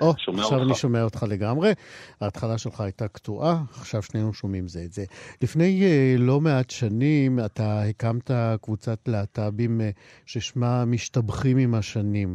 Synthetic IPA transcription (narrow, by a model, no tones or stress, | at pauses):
ʔoaχʃavaniʃomeaot̪χale̞ɡamʁe̞aːtχalaʃelχaːjtaktuʔaaχʃavʃnejnuʃo̞mimzeːtzelifne̞jlo̞me̞atʃanimatahekamtakvut͡satleatabim | ʃeʃmamiʃtabχimimhaʃanim